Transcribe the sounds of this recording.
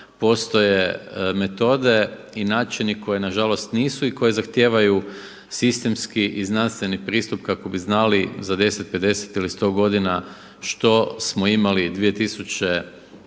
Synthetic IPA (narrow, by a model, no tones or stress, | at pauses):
po̞st̪o̞je̞me̞t̪o̞d̪e̞ | inaːt͡ʃiniko̞jenaʒalo̞st̪niːsuiko̞je̞zaxt̪je̞ːʋaju | sist̪e̞mskiʔiznanst̪ʋe̞nipɾiːst̪upkako̞biznalizad̪e̞set̪̚pe̞d̪e̞se̥t̪ilist̪o̞ːɡo̞d̪ina | ʃt̪o̞smoimalid̪ʋije̞t̪isut͡ɕe